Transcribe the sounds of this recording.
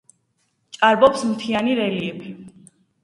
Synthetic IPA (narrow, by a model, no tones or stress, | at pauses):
t͡ʃʼaɾbɔpsmt̪ʰianiɾɛliɛpʰi